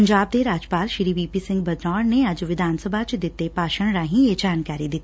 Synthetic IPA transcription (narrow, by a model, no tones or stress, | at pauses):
ɐɲd͡ʒaːb̚d̪eɾaːd͡ʒpaːlʃɾiʋiːpisɪ̃ŋɡbɐd̪nɔːɽneɐd͡ʒʋɪd̪ʱaːnsəbʱat͡ʃd̪ɪt̪ːepaːʃəɽ̃ɾaːɦĩjed͡ʒaːnkaːɾid̪ɪt̪i